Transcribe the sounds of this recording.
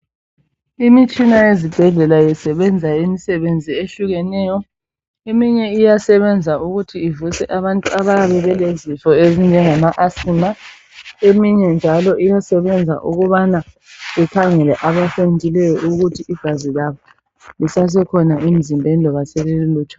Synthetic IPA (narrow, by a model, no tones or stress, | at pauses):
imit͡ʃʼinaezib̥ʱɛɮɛlajɛsɛβɛnd͡zʱaimisɛβend͡zʱieɬuɣɛnɛjɔ | emiɲɛijasɛβɛnd͡zʱauɣutʰiːvusɛʔaβantʼuaβaaβɛβɛlezifɔezind͡ʒʱɛŋamaʔasina | emiɲɛnd͡ʒʱalɔʔijasɛβɛnd͡zʱa̰ʔuɣuβana | ɛkʰaŋɛlɛʔaβafentʼilɛjɔʔuɣutʰiʔiɡ̥ʱazilaβɔ | lisas̬ɛkʰɔnaʔim̩zimbʱɛndʱɔβasɛleluluːtʰɔ̥